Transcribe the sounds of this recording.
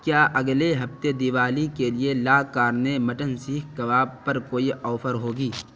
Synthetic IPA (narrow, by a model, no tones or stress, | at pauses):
kjaːʔɐɡleɦɐft̪ed̪iʋaːlikelielaːkaːɾnemɐʈənsiːkʰkɐʋaːbpɐɾkoːiʔɔːfʰəɾɦoːɡiː